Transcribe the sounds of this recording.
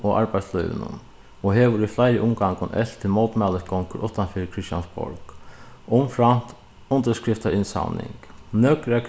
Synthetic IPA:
ɔʔaɾɹpaɪt̪slœjʋɪ̰nʊ̰n | ɔɦeːʋʊɾiflajɾɪʔʊmɡaŋkʊnʔɛ̰l̥t̪ʰɪlmowt̪mɛləsɡɔŋkəɾʔʊht̪anfɪːɾɪkʰɾɪst̪ja̰nsbɔ̰ɹk | ʊmfɾan̥t̪ | ʊnt̪əskɾɪft̪aɾɪnsa̰wnɪ̰ŋknœːkɾak

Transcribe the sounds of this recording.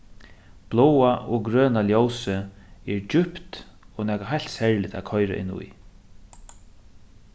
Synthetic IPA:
b̥lɔwaʔɔɡɾøːnaljowsəɛɹd͡ʒʏpt̪ɔnæːkaɦajl̥t̪shɛɹlɪt̪a̰kʰɔʏɾa̰ʔɪ̰nːṵj

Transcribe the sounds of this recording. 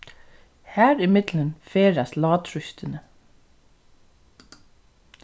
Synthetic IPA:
hæːɾɪmɪd̪̥lənfeːɾɑslɑːt̪ʰɾʏçt̪ʰənə

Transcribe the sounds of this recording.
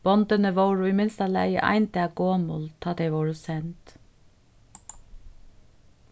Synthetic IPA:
b̥ɔnt̪ənəʋoʊɹimɪnst̪ɑlæ̰ɪjə̰ʔɑ̰ɪnt̪ɪɑɡoːmʊlt̪ʰɑːd̪ɛɪʋɔːɹəsɛnt̪

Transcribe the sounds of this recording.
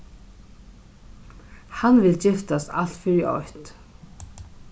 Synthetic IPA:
hanvɪlt͡ɕɪft̪ast̪a̰l̥t̪fɪɾiʔɔ̰ht̪

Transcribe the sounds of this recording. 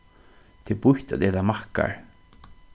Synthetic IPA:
t̪ʰɪpʊht̪a̰ðɛːt̪amahka̰ɹ

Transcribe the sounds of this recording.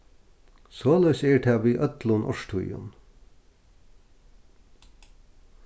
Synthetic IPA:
soːlœʏsɛɹʈ̪ʰæːʋiːʔœt̪lʊnʔɔʂt̪ʰṵjʊ̰n

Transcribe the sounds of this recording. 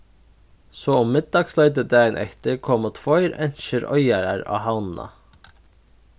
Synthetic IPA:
soːʊmmɪd̪̚d̪ɑːɡslœʏd̪əd̪æːɪnʔɛ̰kt̪əkʰɔmɔt̪ʰʋɔʏɾɛnʃəɾœʏɑɾæɾɑ̰ːhɑʊnn̩ɑ̰

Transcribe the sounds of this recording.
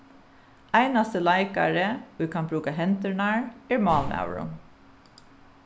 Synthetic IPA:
æɪnɑst̪əlɑɪkɑ̰ɹəoːiːkʰɑnbɹʉːkɑɦɛnt̪əɳæːɹæːɹmɑːlnɑ̰ʊɹʊ̰

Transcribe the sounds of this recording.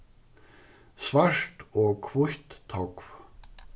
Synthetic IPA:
svar̥t̪ɔkʰvʊht̪ʰːɔkv

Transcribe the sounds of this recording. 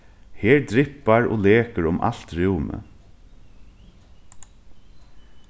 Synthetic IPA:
heːɾd̪ɾɪpɑɹʔo̰ːleːkəɹʊmʔɑ̰lt̪ɹʉʊmə̰

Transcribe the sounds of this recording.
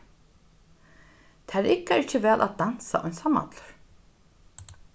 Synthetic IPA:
t̪ʰaɾɛɾɪkːaɛɾɪcːɪvɛːlʔa̰t̪d̪ansa̰ʔɔjnsama̰t̪lʊɹ̥

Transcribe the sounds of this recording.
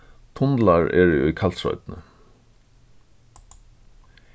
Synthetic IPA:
t̪ʰʊnd̪laɹɛ̰ɹɛœʏkʰalt̪sɹɔ̰ʏt̪nə̰

